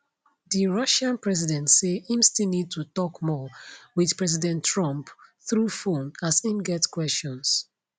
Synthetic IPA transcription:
ðiɹʌʃãnpɹɛzidɛ̃ntseĩmstilnid̚tutɔkmɔwið̥pɹɛzidɛ̃ntʰːɹɔ̃mpθɹufõnasĩmɡɛtkwɛst͡ʃɔ̃ns

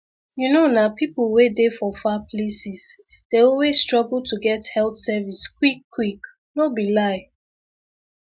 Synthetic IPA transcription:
junonapiplwedefɔfaplesisd̥eɔlwestɹɔɡultʰuɡɛthɛltsɛviskwikːwik | nobilaɪ

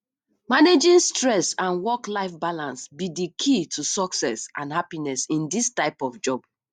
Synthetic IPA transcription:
maned͡ʒĩnstɹɛsãnwɔklaɪfbalãnsbidikʰitʰusɔksɛsʔãnhapinɛsĩndistaɪpɔfd͡ʒɔb̥

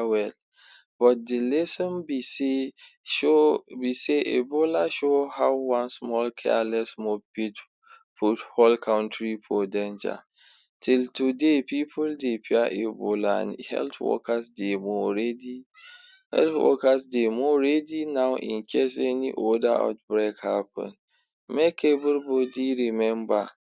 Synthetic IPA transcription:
wɛl | b̥ɔt̚dilɛsɔ̃nbise | obiseʔebolaʃohawwãnsmɔlkʰɛ̰alɛsmopit | pʰutholkʰãʊ̃ntɹipʰodẽnd͡ʒa̰ | tʰɪltʰudepipʰʊldepʰiaʔebolã̰nhɛ̰ltwɔ̰kʰasdemoɾɛdi | hɛ̰lθwɔ̰kasdemoɾɛdinãʊʔḭ̃n̩kʰes̬ɛniʔɔdaa̰t̚bɹekhapʰɔ̰̃n | mekʰebulbodiɹimɛ̃mba

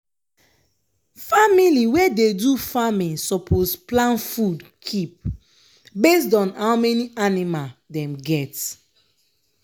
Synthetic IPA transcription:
familiwɛdedufamĩsɔpʰosplãnfud | kʰip̚ | bes̬tɔ̃nhawmɛnianimaldɛ̃mɡɛt

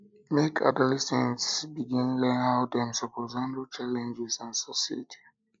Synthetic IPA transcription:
mekʰa̰dɔlɛsɛ̃nsbiɡĩnlɛ̃nhaʊdɛ̃msɔpɔzãntət͡ʃalɛ̃nd͡ʒɛzãnsɔsitʰi̥

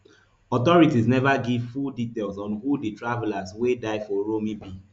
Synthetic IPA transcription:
ɔtɔɹitiznɛvaɡivfuditelsɔ̃nhuditɹavɛlazwedaɪfɔɹomibi

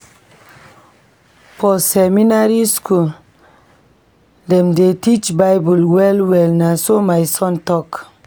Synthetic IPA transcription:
fɔsɛminaɾiskul | dɛmdetit͡ʃbajbulwɛlwɛlnasomajsɔ̃ntɔk

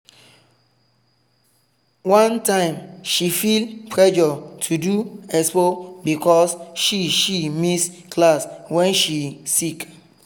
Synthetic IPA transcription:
wãntãɪ̃mʃifilpʰɹɛd͡ʒɔtʰuduɛspobikɔsʃiʃimis | klaswɛ̃nʃisik

